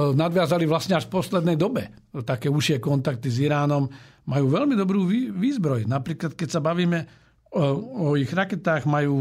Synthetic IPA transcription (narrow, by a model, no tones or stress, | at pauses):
nad̪ʋɪazaliʋlasɲɛaʃfpɔslɛd̪nɛjd̪ɔbɛ | t̪akɛːuʃɪɛkɔnt̪ak̚t̪iziɾaːnɔm | majuːʋɛlmid̪ɔbɾuːiʋiːzbɾɔjnapɾiːklat̪kɛcsabaʋiːmɛ | ɔiɣɾakɛt̪aːɣmajuː